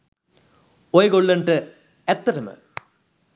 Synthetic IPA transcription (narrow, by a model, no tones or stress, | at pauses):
ojɡoɭːɐɳʈɨ | et̪ːɐɾɐmɨ̰